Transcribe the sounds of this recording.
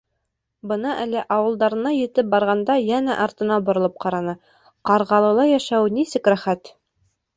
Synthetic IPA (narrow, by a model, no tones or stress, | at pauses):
bɤ̆nɑʔælɘʔɑwɤ̆lˠd̪ɑɾɤ̆nɑjɘ̆t̪ɘp̚bɑɾʁɑnd̪ɑjænæʔɑɾt̪ɤ̆nɑbŏɾŏlˠɤp̚qɑɾɑnɤ | qɑɾʁɑlˠɤ̆lˠɑjæʃæwnisɘkɾæχæt̪